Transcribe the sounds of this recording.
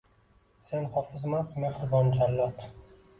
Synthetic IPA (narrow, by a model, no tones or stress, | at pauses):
se̞nhɒfɪzmasme̞hɾɪbɒnd͡ʒalːɒt̪